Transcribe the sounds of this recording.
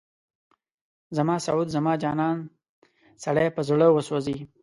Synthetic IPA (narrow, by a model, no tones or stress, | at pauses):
zamɑːsaud̪zɐmɑːd͡ʒɑːnɑːn | saɽepəzɽəwəsozi